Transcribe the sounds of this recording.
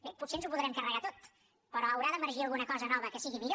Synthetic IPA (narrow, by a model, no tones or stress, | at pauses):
beputsenzupuðɾɛmkərəɣat̪ot̪ | pəɾɔəwɾaðəməɾʒiəlˠɣunəkɔzənɔβəkəsiɣimiʎo